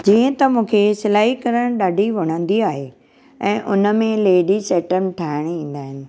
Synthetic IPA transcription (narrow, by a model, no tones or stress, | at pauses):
d͡ʑiːə̃t̪ɐmũːkʰesɪlaːɦikɐɾəɽ̃ɗaːɖʱiʋɐɽ̃ə̃n̆d̪iaːɦe | ɛ̃ːʔʊnə̆mẽleːɖiseːʈən̆ʈʰaːɪɽ̃iĩːn̆d̪aːɦɪnɪ̆